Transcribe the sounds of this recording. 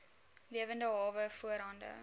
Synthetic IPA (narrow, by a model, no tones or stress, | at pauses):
liəvəndəɦɑːvəfuəɾɦɐndə̰